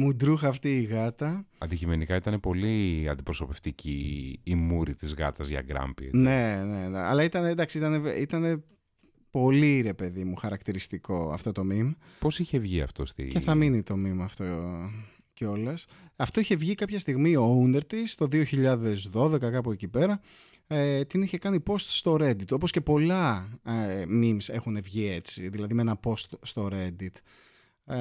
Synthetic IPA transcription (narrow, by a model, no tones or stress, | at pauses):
mud̪ɾuxɐːft̪iːɣɐt̪ɐɐ̰d̪icime̞nikɐit̪ɐnepo̞liɐnd̪ipɾo̞so̞pe̞ft̪iciːmuɾit̪izɣɐ̰t̪ɐzʝɐ̰ɡɾɐ̰mbiḛne̞neɐ̰lɐit̪ɐned̪ɐksiit̪ɐne̞it̪ɐne̞ | po̞liɾe̞pe̞ðimuxɐɾɐkt̪iɾist̪iko̞ɐ̰ft̪o̞t̪o̞mim | po̞siçe̞vʝiɐ̰ft̪o̞st̪ḭceθɐminit̪o̞mimɐft̪o̞ | ceo̞lɐs | ɐft̪o̞içe̞vʝikɐpçɐst̪iɣmio̞und̪e̞ɾt̪ist̪o̞ðioçiʎɐðe̞zðo̞ðe̞kɐkɐpuecipe̞ɾɐ | t̪iniçe̞kɐnipo̞st̪st̪o̞ɾe̞nd̪it̪o̞po̞sce̞po̞lɐ | mimse̞xune̞vʝiet͡siðilɐðimeenɐpo̞st̪st̪o̞ɾe̞d̪it̪